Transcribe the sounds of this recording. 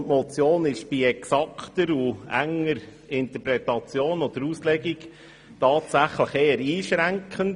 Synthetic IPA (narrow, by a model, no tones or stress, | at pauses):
tmɔt͡sjoːnɪʃb̥iɛksɑkχt̪əɾuæ̰ŋːəɾ | ɪnt̪əɾpɾɛtɑt͡sjoːnɔd̥̪əɾuːslɛɡik | tɑːtsæχləχeːəɾiːʃɾæŋkχənt